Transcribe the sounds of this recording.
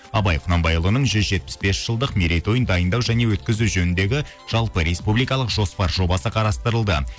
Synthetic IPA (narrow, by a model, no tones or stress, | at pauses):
ɑbɑjqʰʊnɑmbɑjlˠənəɴʒʏzʒe̞t̪̚pɪ̥sbe̞sʒ̥əlˠd̪əqmiɾejt̪o̞jənd̪ɑjənd̪ɑwʒæne̞wɵt̪kʲɪzuwʒɵnɪnd̪e̞ɡʲɪ | ʒ̥ɑlˠpəɾe̞spublijkɑlˠəqʒo̞spɑɾʒo̞bɑsəqʰɑɾɑst̪əɾəlˠd̪ə